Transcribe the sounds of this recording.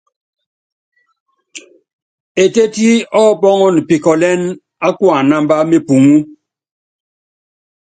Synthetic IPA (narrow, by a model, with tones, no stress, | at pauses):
e˨te˦ti˦ɔ˦˨pɔ˦ŋɔ˦n˨pi˨kɔ˨lɛ˦n | a˦kwa˨na˦mba˦me˦pu˨ŋu˦